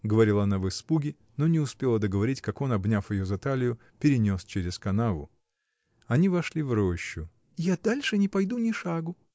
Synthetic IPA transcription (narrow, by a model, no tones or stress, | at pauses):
ɡəvɐɾʲilˠɐnavɨspuɡʲɪ | no̞nʲɪʊspʲelˠəd̪əɡəvɐɾʲitʲkako̞nɐbnʲafjɪjozɐt̪alʲɪjʊ | pʲɪɾʲɪnʲo̞st͡ɕeɾʲɪskɐnavʊ̰ | ɐnʲivɐʂlʲivɾoɕːʊ | ɪjad̪alʲʂɨnʲɪpɐjd̪unʲɪʂaɡʊ